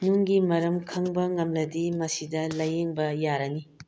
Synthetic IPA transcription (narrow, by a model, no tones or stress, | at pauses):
nuŋɡimɐɾɐmkʰɐŋbɐŋɐmlɐdimɐsidɐlɐjeŋbɐjaɾɐni